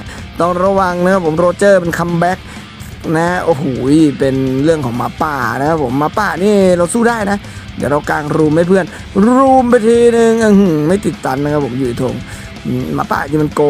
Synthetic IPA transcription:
t̪ɔ˧˩ŋɾa˧wa˧ŋna˦˥kʰa˧˥pʰo˩˦mɾoː˧t͡ɕɤː˧˩pe˧nkʰa˧mbɛ˦˥k̚ | na˦˥ʔo˧˩huː˨˩˦jpe˧nɾɯ˥˩əŋkʰɔː˩˦ŋmaː˧˩paː˧˩na˦˥kʰa˦˥pʰo˩˦mːaː˧˥paː˧˩niː˥˩ɾa˧wsuː˧˩daː˥˩jna˦˥ | dḭ˧˩˨ɾa˧wka̰ː˧ŋɾuː˧mdaː˧˥˩jpʰɯ˥˩ən | ɾuː˧mpa˧t̪ʰiː˧nɯ˧ŋʔa˧hɯ˧˩ma˥˩jt̪i˨˩t̪ːa˧nːa˧˥kʰa˧pʰo˩˦mjɯː˧˩t̪ʰo̰˧ŋː˧˩ | ma̰ː˧˩pa̰ː˧˩˨t̪ʰiː˧˩m˧nkoː˧

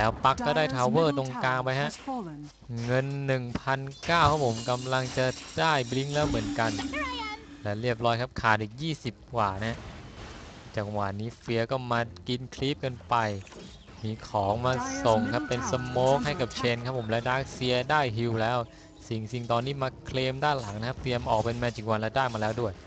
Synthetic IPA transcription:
lɛː˦˥wpa˦˥kːɔː˥˩daː˥˩jt̪ʰaː˧wɤː˥˩t̪o˧ŋkaː˧ŋpa˧jɦa˦˥ʔ | ŋɤ˧nːɯ˨˩ŋpʰa˧nkaː˥˩wkʰa˦˥p̚ʰːo˩˦mka˧mla˧ŋt͡ɕa˨˩daː˥˩jbli˦˥ŋlɛː˦˥wmɯ˩˦ənka˧n | lɛː˦˥wɾi˥˩əp̬̚ɾɔː˦˥jkʰa˦˥p̚kʰaː˨˩t̪ʔiː˨˩k̚jiː˥˩si˨˩p̚kwaː˨˩na˦ɦa˦˥ʔ | t͡ɕaː˨˩k̚waː˨˩niː˦˥fi˧ɐkɔː˥˩maː˧ki˧nkʰli˦˥p̚kɤ˧npa˧j | miː˧˩kʰɔː˩˦ŋmaː˧so˨˩ŋkʰa˦˥pːe˧nsa˧moː˦˥k̚ɦa˥˩jka˨˩p̚t͡ɕʰeː˧nkʰa˦˥pʰːo˩˦mlaː˧daː˦˥˩k̚si˧ɐdaː˥˩jɦi˧wlɛː˦˥w | si˨˩ŋsi˨˩ŋt̪ɔː˧nːiː˦˥maː˧kʰleː˧mdaː˥˩nla˩˦ŋna˧kʰa˥pɾi˧əmʔɔː˨˩k̚pe˧nmɛː˧t͡ɕʰi˩ŋ̚wa˧nla˧daː˥˩k̚maː˧lɛː˦˥wdu˥˩əj

